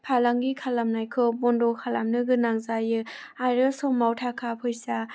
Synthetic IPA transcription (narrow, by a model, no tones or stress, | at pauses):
pʰalaŋɡikʰalamnajkʰɯbɔndɔkʰalamnɯɡɯnaŋzajɯ | aɾɯsɔmawtʰakʰapʰɯjsa